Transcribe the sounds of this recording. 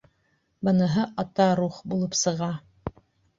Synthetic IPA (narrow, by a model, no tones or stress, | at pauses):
bɤ̆nɤɦɤʔɑt̪ɑɾuχbulˠɤpsɤ̆ʁɑ